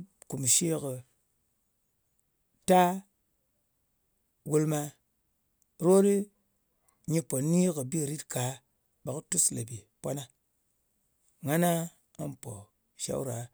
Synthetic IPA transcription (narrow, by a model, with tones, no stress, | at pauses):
ku˨m˨ʃe˦kə˨ | ta˦ | wu˧lma˧ | ɾo˦ɾi˦ | ɲi˧po˨ni˦kə˨bi˦˨ɾi˦tka˨˦ | ba˨ktu˦sle˨bi˨pwa˦na˦ | ŋa˦na˦ | a̰˦npo˨ | ʃa̰˦wɾa˨